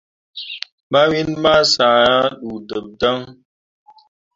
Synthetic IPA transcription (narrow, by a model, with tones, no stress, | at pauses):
ma˦wi˦nma˦sa˨a˦ɗu˨də˨p̚da˦ŋ